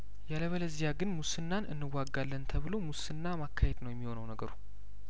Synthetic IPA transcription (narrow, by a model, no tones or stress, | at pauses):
jaləβələzijaɡɨnmusɨnːanʔɨnːɨwːaɡːalːənt̪ʰəβɨlo̞musɨnːamakʰːahed̪nəwjɛmːiho̞nəwnəɡəɾu